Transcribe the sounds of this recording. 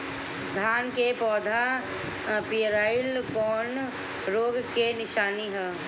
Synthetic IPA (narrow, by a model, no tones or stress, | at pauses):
d̪ʱaːnkepɔːd̪ʱa | piɾaːɪlkɔːn | ɾoːɡkenɪʃaːniɦɛː